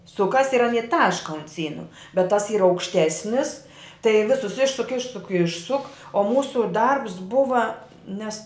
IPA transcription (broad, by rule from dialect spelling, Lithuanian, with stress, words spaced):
ˈsʊkɐs ɪr ɐˈnʲiː ˈtɑːʃkɐ ʊnt ˈsʲiːnʊ bʲɛt tɐs iːr ɐʊkʃʲˈtʲæːsʲnʲɪs tɐɪ ˈʋʲɪsʊs ˈɪʃsʊk ˈɪʃsʊk ˈɪʃsʊk oː ˈmuːsʊ ˈdɐrps ˈbʊʋɐ ˈnʲɛs